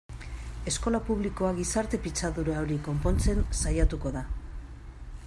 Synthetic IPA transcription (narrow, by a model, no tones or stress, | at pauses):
e̞sko̞lapuβ̞liko̞aɣisaɾt̪e̞pit͡saðuɾaoɾiko̞mpo̞nt͡se̞nsajat̪uko̞ða